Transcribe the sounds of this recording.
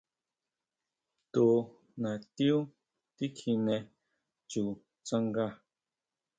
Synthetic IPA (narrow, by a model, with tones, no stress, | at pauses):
t̪o˨ | nã˨t̪i˦u˦ | t̪i˦kʰi˧nɛ̃˨ | t͡ʃu˨ | t͡sa˦ŋɡa˦˨